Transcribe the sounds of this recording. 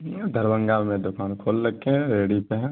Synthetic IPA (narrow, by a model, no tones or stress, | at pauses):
d̪ʱəɾbə̃ŋɡaːlmẽd̪ʊkaːnkʰoːlːəkːẽɾeːɽipeɦɛ̃